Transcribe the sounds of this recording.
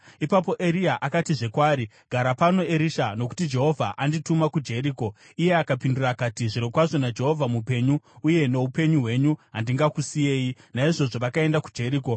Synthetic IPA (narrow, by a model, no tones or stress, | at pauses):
ipap̬o̞ʔe̞ɾiaʔakatiʐe̞kwaːɾi | ɡ̥ʱaɾapano̞eɾiʃano̞ku̥tid͡ʒe̞ɦo̞vʱaʔanditumakud͡ʒe̞ɾiːko̞ | ije̞akapindurakatiʐiɾokwaʐo̞nad͡ʒe̞ɦo̞vʱamupe̞ɲuːje̞no̞upe̞ɲuɦwe̞ɲuɦandiŋɡakusije̞ːjinaiʐo̞ʐo̞ʋakae̞ndakud͡ʒe̞ɾiːko̞